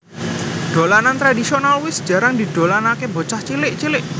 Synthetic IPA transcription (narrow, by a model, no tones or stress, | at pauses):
ɖ̪̥o̤lanant̪ɾadisionalwɪsd͡ʒ̥a̤ɾaŋd̪i̤d̪̥o̤lanakebot͡ʃaht͡ʃilɪʔt͡ʃilɪʔ